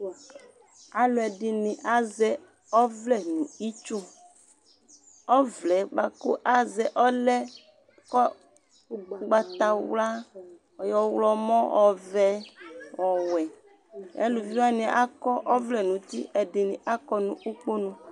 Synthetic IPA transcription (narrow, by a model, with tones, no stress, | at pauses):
a˨lʊ˨ɛ˨dɪ˨nɪ̃˨ʔa˦zɛ˦ | ɔ˦vlɛ˦nũ˨i˦t͡ʃo˦ | ɔ˦vlɛ˨˦ɡ͡ba˨ko̰˦ʔa˦zɛ˨ʔɔ˦lɛ˦ | kɔ˦ | ɡ͡ba˨t̪a˨wla˦ | ɔ˨jɔ˨wlɔ˦mɔ̃˦ɔ˨vɛ˦wɔ˨wɛ˨ | ɛ̰˦lu˨vi˦wa˦nɪ̃˨ʔa˦kɔ˦ʔɔ˦vlɛ˨nũ˨˦t̪i˦ʔɛ˨dɪ˨nĩ˨ʔa˦kɔ˦nũ˨ʔu˦k͡po˦nũ˦˨